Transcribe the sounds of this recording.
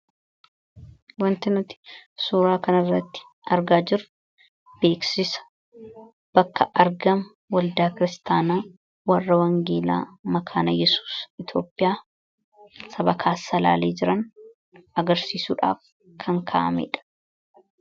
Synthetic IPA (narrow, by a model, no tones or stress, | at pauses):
wɐnt̪ɪnʊt̪ɪ̥suːɾaːkɐnɐrːɐt̪ːɪ̥ | ʔɐɾɡaːd͡ʒɪɾʊ | b̥e̞ːksɪsɐ̥ | b̥ɐkːɐʔɐɾɡɐm | wɐld̪aːkɪɾɪst̪aːnaː | wɐrːɐwɐŋɡeːla̰ːmɐkʰaːnɐjɛsu̥ːsɪt̪o̞ːpʼːɪjaː | sɐbɐkʰaːsːɐla̰ːleːd͡ʒɪɾɐn | ɐɡɐɾsiːsuːᶑa̰ːf | kʰɐŋkʰa̰ʔɐ̰mɛ̰ːᶑɐ̥